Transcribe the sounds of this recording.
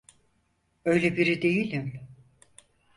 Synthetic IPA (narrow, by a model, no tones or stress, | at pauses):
ø̞jlʲebiɾid̪e̞jilʲim